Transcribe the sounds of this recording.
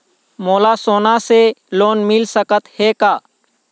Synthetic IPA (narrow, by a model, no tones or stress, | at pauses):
moːlasoːnaseloːnmɪlsəkət̪heːkaː